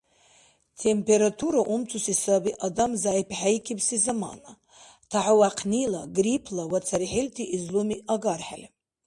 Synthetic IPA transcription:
tʰempʰe̞ɾatʰuɾaʔumt͡sʰusisabiʔadamzaːjipʰħajkʲʰibsizama̰na | tʰaʕawaqʰnilaɡripʰlawat͡sʰaɾiħiltʰiʔːzlumiaɡarħa̰le

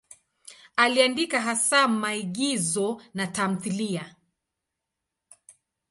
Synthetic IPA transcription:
aliandikaɦasamaiɠizɔnatamuθilia

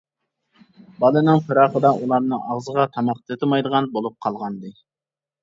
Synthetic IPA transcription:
bɑlˠɨnɨŋfɨɾɑχəd̪ɑʔulˠɑɾnɨŋɑʁzəʁɑt̪ʰɑmɑq̚t̪ʰɨt̪ʰɪmɑjd̪əʁɑnbolˠup̚qʰɑlˠʁɑnd̪ɨ

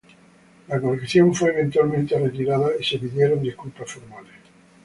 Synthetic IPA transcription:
lakoɾekθjõ̞ɱfweːβ̞e̞nt̪walmẽnt̪eret̪iɾaðaise̞piðje̞ɾo̞nd̪ihkulpasfoɾmales

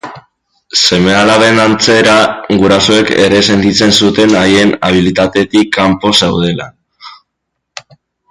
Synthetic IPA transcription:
se̞me̞alaβe̞nant͡se̞ɾaɡuɾaso̞eke̞̰ɾe̞se̞nt̪it͡se̞nsut̪e̞naje̞na̰β̞ilit̪at̪e̞t̪ikːampo̞sewð̞e̞la̰

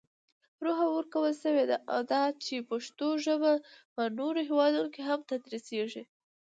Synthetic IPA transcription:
ɾoɦawəɾkawəlʃəwed̪aʔa̰wd̪ɑt͡ʃepaʃt̪oʒəbapənoɾoɦewɑd̪unokeɦamt̪ad̪ɾiseʒi

